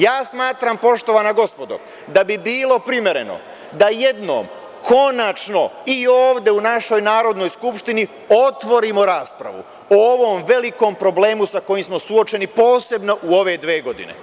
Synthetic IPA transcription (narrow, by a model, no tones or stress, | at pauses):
jaːsmaːt̪ɾampo̞ʃt̪o̞ʋanaɡo̞spo̞d̪o̰ | d̪abibiːlˠo̞pɾimje̞ɾe̞̰no̰ | d̪aje̞d̪no̰ːm | kʰo̞nat͡ʃno̞ioːʋd̪e̞unaʃo̞jnaːɾo̞d̪no̞jskupʃt̪ini | o̞t̪ʋo̞ɾimo̞ɾaːspɾa̰ʋṵ | ooʋo̞mʋe̞liko̞mpɾo̞ble̞ːmusako̞jimsmo̞suo̞t͡ʃe̞nipo̞ːse̞bno̞ʔuo̞ʋe̞d̪ʋeːɡo̞d̪ḭne̞̰